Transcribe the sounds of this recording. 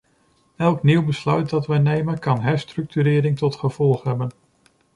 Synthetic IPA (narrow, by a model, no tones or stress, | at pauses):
ɛlˠkniwbəslœɥt̚dɑtʋɛjnejmənkɑnɦɛɹstrɵk̚tyɾɪːɾɪŋtɔtχəv̥ɔlˠχɦɛbən